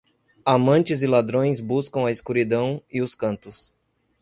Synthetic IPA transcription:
amɐ̃nt͡ʃɪzɪlad̪ɾõj̃zbuskɐ̃w̃ɐɪskuɾid̪ɐ̃w̃ɪʊskɐ̃nt̪ʊs

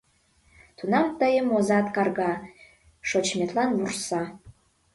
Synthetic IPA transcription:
tʰunamtʼajɪmozatkarɡa | ʂot͡ʃʰmʲetʰʼlanwursa

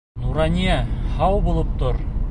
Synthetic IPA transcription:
nuɾɑnʲiæhɑwbulˠɤp̚t̪oɾ

